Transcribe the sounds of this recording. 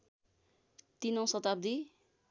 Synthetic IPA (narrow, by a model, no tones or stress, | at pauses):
t̪inʌ̃w̃sʌt̪ab̚d̪i